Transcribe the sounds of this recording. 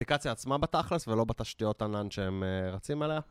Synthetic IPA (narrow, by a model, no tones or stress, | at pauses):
ikat͡sjaːt͡smabat̪aχlesvelo̞bet̪aʃtijo̞t̪ananʃeemeʁat͡simelea